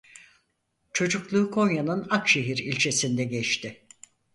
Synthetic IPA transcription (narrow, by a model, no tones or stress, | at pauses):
t͡ʃʰo̞d͡ʒuklˠuːkʰo̞njanɯnakʃe̞ɦiɾilʲt͡ʃʰe̞sind̪ɛɟɛt͡ʃt̪ʰɪ